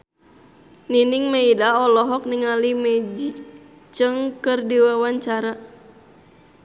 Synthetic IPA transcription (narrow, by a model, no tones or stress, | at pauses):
niniŋmaidaɔlɔɦɔk̚niŋalimɛd͡ʒi | t͡ʃəŋkərdiwawaɲt͡ʃaɾa